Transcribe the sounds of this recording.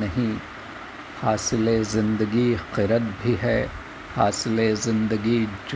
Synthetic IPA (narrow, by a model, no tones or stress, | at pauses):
nɐɦĩ | haːsɪlezɪ̃nd̪əɡiqɪɾət̪bʱiɦɛː | haːsɪlezɪ̃nd̪əɡid͡ʒ